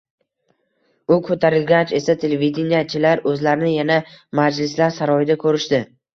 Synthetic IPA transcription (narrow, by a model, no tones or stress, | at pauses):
ʊkʰɵt̪ʰaɾɪlɡʲat͡ʃe̞sat̪ʰe̞levid̪enijat͡ʃʰɪlaɾɵzlaɾɪnɪjanamad͡ʒlɪslaɾsaɾɒjɪd̪akʰɵɾɪʃd̪ɪ